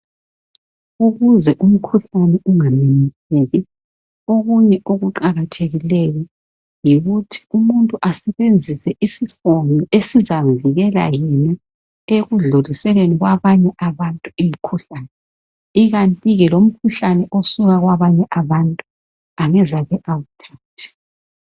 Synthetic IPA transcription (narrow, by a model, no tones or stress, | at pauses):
uɣuzɛʔum̩kʰuɬanɛuŋaminiseɣi | oɣuɲɛʔoɣuǃaɣatʰeɣilejɔ | jiɣutʰi̥umuntʼuʔasɛβend͡zʱisɛʔisifoŋiesizaɱviɣɛla̰jɛna | eɣuɮolisɛleniɣwaβaɲɛʔaβantʼuim̩kʰuɬaːnɛ | iɣantʼiɣɛlom̩kʰuɬanɛʔosuɣaɣwaβaɲɛʔaβantʼu | aŋɛzaɣɛʔawutʰaːtʰɛ̥